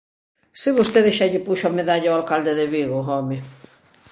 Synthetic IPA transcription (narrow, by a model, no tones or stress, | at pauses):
sɪβost̪eðeʃaʎɪpuʃoameðaʎaoalkald̪eðeβiɣoɔmɪ